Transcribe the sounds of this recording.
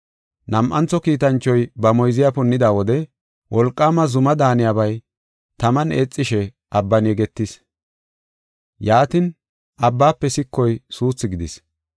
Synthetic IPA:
nɐmʔɐnt͡sːɔkiːt̪ɐnt͡ʃːɔjbɐmɔjzɪjapʊnːɪd̪aːwɔd̪ɛ | wʔɔlkʼːaːmɐzʊmɐd̪aːnɪjabɐj | t̪ɐmɐneːt͡sʼːɪʃɛ | ʔɐbːɐnjɛɡɛt̪ːɪs | jaːt̪ɪn | ʔɐbːaːpːɛsɪkːɔjsuːt͡sːɪɡɪd̪ɪs

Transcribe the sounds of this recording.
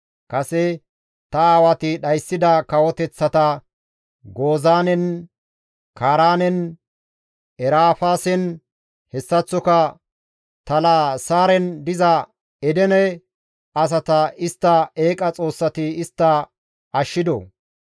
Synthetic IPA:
kɐsɛ | t̪ɐaːwɐt̪ɪɗɐjsːɪd̪ɐkɐwɔt̪ɛt͡sːɐt̪ɐ | ɡo̞ːzaːnɛn | kaːɾaːnɛn | ɛɾaːfaːsɛn | hɛsːɐt͡sːɔkɐ | t̪ɐlaːsaːɾɛnd̪ɪzɐ | ɛd̪ɛnɛ | ɐs̬ɐt̪ɐɪst̪ːɐeːkʼɐt͡sʼo̞ːsːɐt̪ɪɪst̪ːɐ | ɐʃːɪd̪ɔ̰

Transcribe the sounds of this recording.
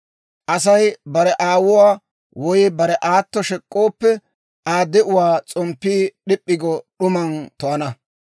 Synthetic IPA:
ʔɐsɐjbɐɾɛʔaːwʊwaː | wɔjbɐɾɛʔaːt̪ːɔʃɛkʼːoːpːɛ | aːd̪ɛʔʊwaːt͡sʼɔmpːiːɗɪpʼːɪɡɔɗʊmɐnt̪ɔɐnɐ

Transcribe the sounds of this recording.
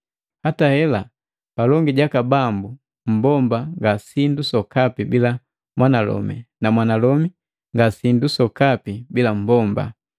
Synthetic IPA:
hatahɛla | palɔŋɡiɟakabambu | m̩bɔmbaŋɡasindusɔkapibila | mwanalɔ̰mḭnamwanalɔmi | ŋɡasindusɔkapibilam̩bɔmba̰

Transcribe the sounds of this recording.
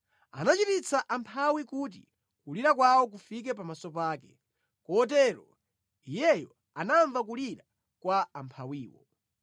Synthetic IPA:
a̰nat͡ʃitit͡sʰaʔampʰawikuːt̬ḭ | kuliɾak̬wawɔk̬ufik̬ɛpamasɔpaːkɛ | kɔːt̬ɛɾɔ | ijɛjɔ | anaɱvak̬uliɾa | kwaːmpʰawiːwɔ̰

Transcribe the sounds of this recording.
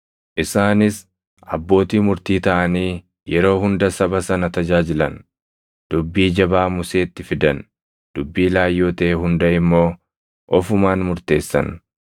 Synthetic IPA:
ʔɪsaːnɪs | ʔɐ̰bːo̞ːt̪iːmʊɾt̪iːt̪ɐʔɐniː | jɛɾo̞ːɦʊnd̪ɐsɐbɐsɐnɐt̪ɐd͡ʒaːd͡ʒɪlɐn | d̪̥ʊbːiːd͡ʒɐbaːmʊse̞ːt̪ːɪfɪd̪ɐn | d̪̥ʊbːiːlaːjːo̞ːt̪ɐeːɦʊnd̪ɐɪmːo̞ː | ʔɔfʊmaːnmʊɾt̪e̞ːsːɐ̰n

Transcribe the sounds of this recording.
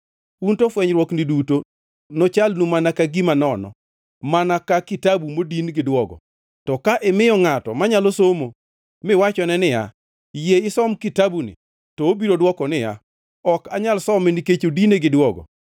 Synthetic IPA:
untofwɛɲɾwɔknɪduto | nɔt͡ʃalnumanakaɡimanɔnɔ̰ | manakakitabumodinɡɪdwɔɡɔ̰ | tɔkaʔɛmɪjɔŋatɔ̰maɲalosomo | mɪwat͡ʃɔnɛnɪja̰ | jeɪsɔmkitabunɪ̰ | tɔobiɾodwɔkɔnɪja̰ | ɔkaɲalsɔmɛniket͡ʃodineɡɪdwɔɡɔ̰

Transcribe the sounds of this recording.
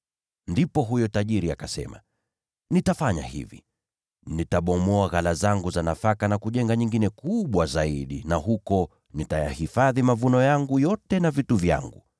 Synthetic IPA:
ndipɔɦujɔtaʄiɾiakasɛ̰ma̰ | nitafaɲa̰hḭvḭ | nitaɓɔmɔaɣalazaŋɡuzanafakanakuʄɛŋɡaɲiŋɡinɛkuɓwazaiɗinaɦukɔ | nitaja̰hifaðimavunɔjaŋɡujɔtɛnavituvja̰ŋɡu

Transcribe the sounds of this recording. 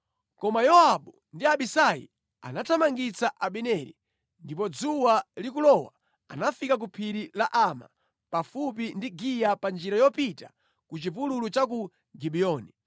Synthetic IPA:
kɔmajɔaɓu | ndiaɓisajḭ | a̰natʰamaŋɡit͡saʔaɓɛnɛɾḭ | ndip̬ɔd͡zuwalik̬ulɔwa | anafikak̬upʰiɾilaʔama̰ | pafup̬indiɡijapand͡ʒiɾajɔpita | kut͡ʃipululut͡ʃak̬u | ɡiɓiɔːni

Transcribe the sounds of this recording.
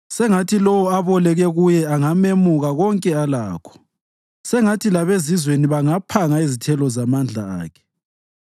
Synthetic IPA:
sɛŋatʰilɔwɔaβɔlɛɣɛɣujɛaŋamemuɣaɣɔŋkʼɛalaːkʰɔ̥ | sɛŋatʰilaβezizweniβaŋapʰaŋaezitʰɛlɔzamand͡ɮʱaa̰ːkʰɛ̥

